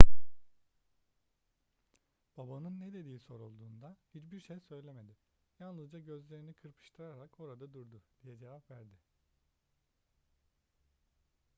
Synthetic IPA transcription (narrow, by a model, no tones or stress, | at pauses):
b̥abanɯnːed̪e̞d̪iːso̞ɾulˠd̪uːnd̪ahit͡ʃbiɾʃejsø̞jlʲe̞me̞d̪ɪ | janlˠɯzd͡ʒaɟø̞zlʲe̞ɾinikʰɯɾpʰɯ̥ʃt̪ʰɯɾaɾako̞ɾad̪ad̪uɾd̪ud̪̥ijɛd͡ʒe̞vapvæɾd̪ɪ